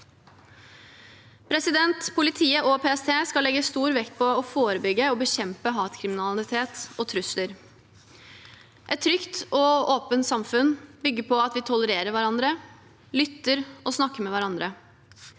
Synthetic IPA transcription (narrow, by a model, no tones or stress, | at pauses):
pʰɾɛsɪd̪ɛnt̪pʰʊlɪt̪ʰiːəʔɔpʰeːɛst̪ʰeːskɑlːɛɡːəst̪uːɾʋɛkt̪̚pʰɔɔfoːɾəbʏɡəɔbəɕɛmpəɦɑːt̪kʰɾɪmɪnɑlɪt̪ʰeːt̪ɔt̪ʰɾʉsləɾ | ʔɛt̪ʰːɾʏkt̪ɔoːpənt̪sɑmfʉnbʏɡːəpʰɔɑt̪ʋɪt̪ʰʊləɾeːɾəɾʋæɾɑnd̪ɾə | lʏt̪ːəɾɔsnɑkːəmɛʋæɾɑnd̪ɾə